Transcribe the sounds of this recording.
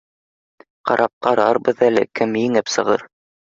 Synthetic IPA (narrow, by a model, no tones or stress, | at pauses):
qɑ̰ɾʔɑp̚qɑɾɑɾbɤðælɘkɘmjɘ̆ŋɘpsɤ̆ʁɤ̰ɾ